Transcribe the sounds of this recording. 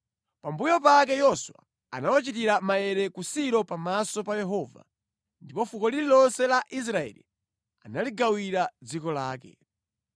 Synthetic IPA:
pambujɔp̬akɛjɔswa̰ | a̰nawat͡ʃitiɾamajɛɾɛkusiɾɔpamasɔpajɛɦɔːva̰ | ndipɔfukɔlililɔnsɛlaʔis̬ɾaɛ̰ːlḭ | analiɡawiɾad͡zikɔlaːkɛ̰

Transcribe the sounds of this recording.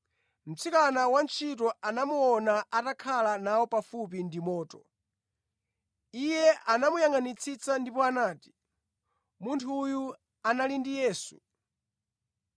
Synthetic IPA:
m̩t͡sʰikanawant͡ʃʰit̬ɔʔanamuɔnaʔatakʰalanawɔpafup̬indimɔːtɔ | ijɛʔanamujaŋanit͡sʰit͡sandipɔanaːti̥ | muntʰuːju | analindijɛːsu̥̰

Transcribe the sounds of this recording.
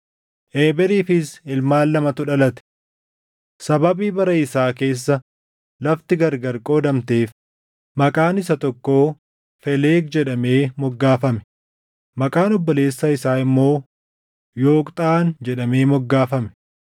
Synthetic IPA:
ʔeːbɛɾiːfɪsɪlmaːlːɐmɐt̪ʊᶑɐlɐt̪ɛ̥ | sɐbɐbiːbɐɾɐɪsaːke̞ːs̬ːɐ | lɐft̪ɪɡɐɾɡɐɾkʼo̞ːd̪ɐmt̪e̞ːf | mɐkʼaːnɪsɐt̪ɔkːo̞ː | fɛleːk̚d͡ʒɛᶑɐme̞ːmɔɡːaːfɐmɛ̥ | mɐkʼaːnɔbːɔle̞ːsːɐɪsaːɪmːo̞ː | jo̞ːkʼt̪ʼaːnd͡ʒɛɗɐme̞ːmɔɡːaːfɐmɛ̥

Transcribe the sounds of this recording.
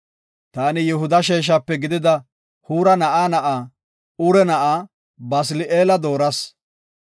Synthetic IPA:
t̪aːnɪjɛhʊd̪ɐʃ̬eːʃ̬aːpːɛɡɪd̪ɪd̪ɐ | huːɾɐnɐʔaːnɐʔaː | ʊɾɛnɐʔaː | bɐs̬ɪlɪʔeːlɐd̪o̞ːɾɐs

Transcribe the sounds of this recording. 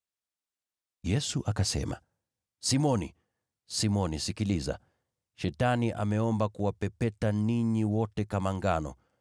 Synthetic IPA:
jɛsuʔakasɛ̰ma̰ | simɔnḭ | simɔnisikiliza̰ | ʃɛtaniʔa̰mɛɔmbakuwapɛpɛtaniɲiwɔtɛkamaŋɡanɔ̰

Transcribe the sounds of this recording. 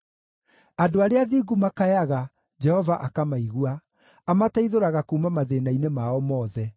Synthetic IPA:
adoaɾeaðiːɡumakajaɣa | d͡ʒɛhɔvaʔakamaiɣuaː | mataiðoɾaɣakuːmamaðenainemaɔmɔːðɛ

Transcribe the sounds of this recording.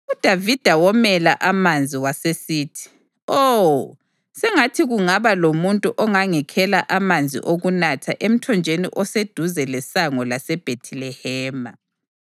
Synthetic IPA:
ud̥ʱavid̥ʱawɔmɛlaʔamand͡zʱiwasesiːtʰi̥ | o | sɛŋatʰiɣuŋaβalomuntʼuʔɔŋaŋɛkʰɛlaʔamand͡zʱḭʔoɣunatʰaʔem̩tʰɔnd͡ʒʱenḭʔɔsed̥ʱuzɛlɛsaŋɔlasɛb̥ʱetʰilɛhɛːma

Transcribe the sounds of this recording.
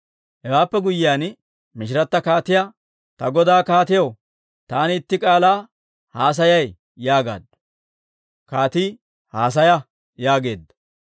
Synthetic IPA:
hɛwaːpːɛɡʊjɪjaːn | mɪʃɪɾɐt̪ːɐkaːt̪ɪja | t̪ɐɡɔd̪aːkaːt̪ɪjɐw | t̪aːnɪɪt̪ːɪkʼaːlaː | haːs̬ɐjɐj | jaːɡa̰ːd̪ | kaːt̪iː | haːs̬ɐjɐ | jaːɡe̞ːd̪ːɐ̥

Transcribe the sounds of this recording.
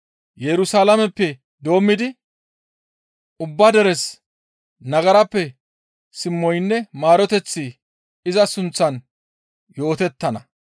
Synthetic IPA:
jɛɾʊsaːlɐmɛpːɛ | d̪o̞ːmːɪd̪ɪ | ʊbːɐd̪ɛɾɛs | nɐɡɐɾɐpːɛ | sɪmːɔjnːɛmaːɾɔt̪ɛt͡sːi | ɪzɐsʊnt͡sːɐn | jo̞ːt̪ɛt̪ːɐnɐ

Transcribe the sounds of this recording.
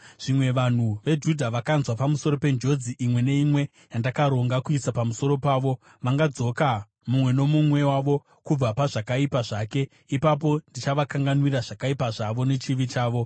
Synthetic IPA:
ʐ̥imwe̞ʋan̤uʋe̞d͡ʒudʱaʋakanzwapamuso̞ɾo̞pe̞nd͡ʒo̞d͡ziʔimwe̞ne̞imwe̞ | jandakaɾo̞ŋɡakuisapamuso̞ɾo̞paːʋo | ʋaŋɡad͡zo̞ka | mumwe̞no̞mumwe̞waʋo̞ | kub͡vapaʐakaipaʐake̞ | ipap̬o̞ndit͡ʃaʋakaŋɡanwiɾaʐakaipaʐaʋo̞ne̞t͡ʃiʋit͡ʃaːʋo̞

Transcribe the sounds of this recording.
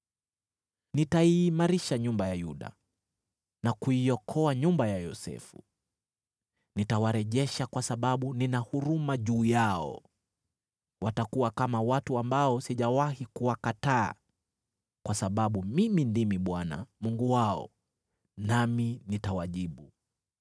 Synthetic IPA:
nitaiːmaɾiʃaɲumbajajuɗa̰ | nakuiɔkʰɔaɲumbajajɔ̰sɛ̰fṵ | nitawaɾɛʄɛʃakwasaɓaɓuninahuɾumaʄuːjaɔ̰ | watakuwakamawatuambaɔsiʄawahikuwakata̰ː | kwasaɓaɓumimindimiɓwana̰muŋɡuwaɔ̰ | naminitawaʄiɓu

